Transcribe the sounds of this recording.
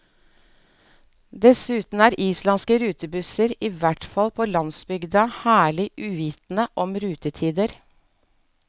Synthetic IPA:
d̪ɛsʉːt̪n̩æːɾʔiːslɑnskəɾʉːt̪əbʉsəɾiːʋæʈfɑlpʰoːlɑnsbʏɡd̪əhæːɭɪʔʉːʋiːt̪n̩əʔɔmɾʉːt̪ət̪ʰiːd̪əɾ

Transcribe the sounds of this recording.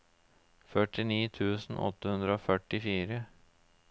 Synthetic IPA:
fœʈɪniːt̪ʰʉːsn̩ʔɔ̰t̪ːəhʉnd̪ɾəoːfœʈɪfiːɾə

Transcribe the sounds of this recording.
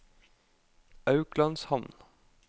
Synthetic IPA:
ɑʉklɑnshɑmn

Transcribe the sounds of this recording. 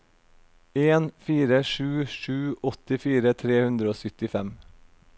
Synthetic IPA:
eːnfiːɾəʃʉːʃʉːɔt̪ɪfiːɾət̪ʰɾeːhʉnd̪ɾəoːsʏt̪ɪfɛm

